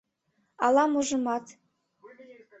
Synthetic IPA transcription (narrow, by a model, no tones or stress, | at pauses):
ɑlˠɑmuʒɤ̆mɑt̪